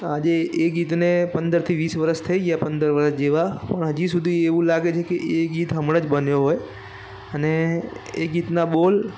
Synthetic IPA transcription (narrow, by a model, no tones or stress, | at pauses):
ad͡ʒeʔeɡit̪nepənd̪əɾt̪ʰiʋisʋəɾəst̪ʰəiɡjapənd̪əɾʋəɾəsd͡ʒeʋapəɳɦəd͡ʒisud̪ʱieʋũlaɡet͡ʃʰekeʔeɡit̪ɦəmɽad͡ʒbənjoɦoj | əneeɡit̪naɓol